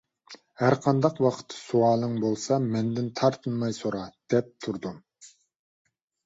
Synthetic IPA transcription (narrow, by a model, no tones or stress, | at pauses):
hæɾqʰɑnd̪ɑqwɑqʰə̥t̪ʰːsuɑːlˠɨŋbolˠsɑmɛnd̪ɪnt̪ʰɑɾt̪ʰɨnmɑjsoɾɑd̪̥ɛp̚t̪ʰuɾd̪um